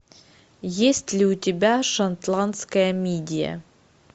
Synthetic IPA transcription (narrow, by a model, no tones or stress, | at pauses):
jesʲtʲlʲɪʊtʲɪbʲaʂɐnt̪lˠant̪skəjəmʲedʲɪjə̰